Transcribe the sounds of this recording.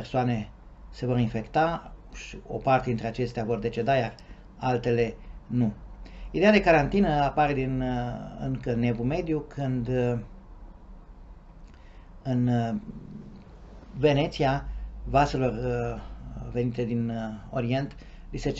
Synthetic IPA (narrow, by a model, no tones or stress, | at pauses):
rsoane̞ | se̞vo̞ɾinfe̞kt̪aʃio̞̰part̪ed̪int̪ɾe̞at͡ʃe̞st̪eavo̞rd̪e̞t͡ʃe̞d̪ajar | alt̪e̞le̞nuid̪ead̪e̞kaɾant̪inəapaɾe̞d̪inɨ̰ŋkəne̞vume̞d̪jukʰɨnd̪ | ɨn | ve̞ne̞t̪siavase̞lo̞r | ve̞nit̪e̞d̪ino̞ɾie̞nt̪ | liset͡ʃ